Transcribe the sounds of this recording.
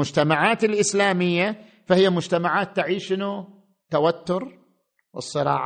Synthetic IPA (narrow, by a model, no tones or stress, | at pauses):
ʊd͡ʒt̪amaʕaːt̪ɪlʔɪslaːmɪjːa | fahɪjːamʊd͡ʒt̪amaʕaːt̪ːɪʕiːʃɪnu | t̪ːawat̪ːʊɾ | wɨ̰sˤːɨɾɑ̰ːʕ